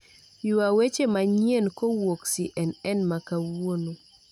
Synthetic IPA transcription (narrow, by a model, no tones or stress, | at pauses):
juawet͡ʃemaɲienkowoksiʔɛnɛnmakawono